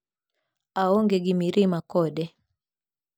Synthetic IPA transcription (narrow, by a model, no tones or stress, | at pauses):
aɔŋɡeɡimiɾimakɔdɛ